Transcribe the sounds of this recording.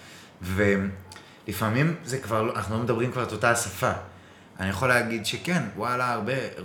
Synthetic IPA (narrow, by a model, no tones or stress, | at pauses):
ve | lifamimzekvaʁloanaχnulo̞med̪abʁimkvaʁeto̞tasafa | ʔa̰nijaχo̞leaɡidʃekenwalaːʁbe̞